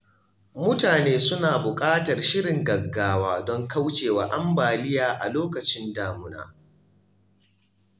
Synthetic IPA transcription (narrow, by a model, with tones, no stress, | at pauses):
mʊ˦taː˨neː˦sʊ˦naː˨bʊ˨kʼaː˦tɐ˨rʃɪ˦ɽɪ˨ŋɡɐ˨ɡːaː˦waː˦dɔ˦ŋka˦wt͡ʃeː˨waː˨ʔa˦mbaː˨lɪ˦jaː˨ʔa̰˨loː˦kɐ˨t͡ʃɪ˦ndaː˨mʊ˦na̰ː˨